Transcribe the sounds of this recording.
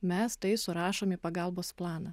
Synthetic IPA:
mʲɛst̪ɐɪsʊɾɑːʃoːmiːpɐɡɐlˠboːsplˠɑːnɑ

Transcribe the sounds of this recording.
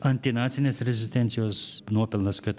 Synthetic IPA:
ɐnʲt̪ʲɪnɑːt̪sʲɪnʲeːsɾʲɛzʲɪsʲt̪ʲɛnt̪sʲɪjoːsnuɔpʲɪlˠnɐskɐt̪

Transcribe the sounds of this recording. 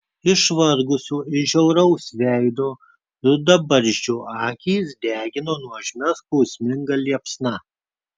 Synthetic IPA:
ɪʃʋɐɾɡʊsʲuːɪʒʲɛʊɾɐʊsʋʲæˑɪd̪oː | d̪ɐbɐɾʲʒʲd͡ʒʲuːɑːkʲiːsd̪ʲæːɡʲɪnoːnuɔʒʲmʲɛspɐʊsʲmʲɪŋɡɐlʲiɛpsnɐ

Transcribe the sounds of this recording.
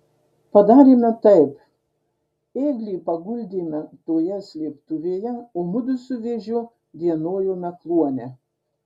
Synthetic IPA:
pɐd̪ɑːɾʲimʲɛt̪ɐɪp | eːɡlʲiːpɐɡʊlʲd̪ʲiːmʲɛt̪oːjɛsʲlʲiːpt̪ʊʋʲeːjɛomʊd̪ʊsʲʊʋʲeʒʲʊ | d̪ʲiɛnoːjoːmʲɛklˠuɔnʲɛ

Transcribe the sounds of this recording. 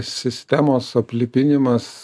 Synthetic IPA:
sʲɪsʲt̪ʲæmoːsɐpʲlʲɪpʲɪnʲɪmɐs

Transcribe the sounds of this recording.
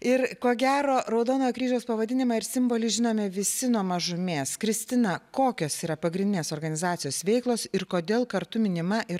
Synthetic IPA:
ɪɾkoːɡʲæːɾoːɾɐʊd̪oːnoːjkɾʲiːʒʲɛːspɐʋɐd̪ʲɪnʲɪmɐɪɾsʲɪmboːlʲɪʒʲɪnoːmʲɛʋʲɪsʲɪnuɔmɐʒʊmʲeːskɾʲɪsʲt̪ʲɪnɐkoːkʲoːsiːɾɐpɐɡɾʲɪnʲd̪ʲɪnʲeːsoːrɡɐnʲɪzɑːt̪ʲɪjoːsʋʲɛɪklˠoːsɪɾkoːd̪ʲeːlˠkɐɾt̪ʊmʲɪnʲɪmɐʔɪ

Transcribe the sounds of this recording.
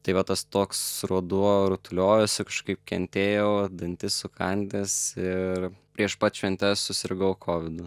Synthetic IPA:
t̪ɐɪʋɐt̪ɐst̪oːksɾuɔd̪uɔɾʊt̪ʊlʲoːjʊsʲɪkɐʃkɐɪp̚kʲɛnʲt̪ʲeːjɛʊd̪ɐnʲt̪ʲɪssʊkɐnʲd̪ʲɛsɪrpʲɾʲiɛʃpɑːt̪ʲt͡ʃʲʋʲɛnʲt̪ʲɛssʊsʲɪɾɡɐʊkʰoːʋʲɪd̪ʊ

